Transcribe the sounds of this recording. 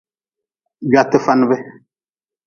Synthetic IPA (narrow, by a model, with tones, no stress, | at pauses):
ɡa˨tə˦fa˦n˦bɛ˦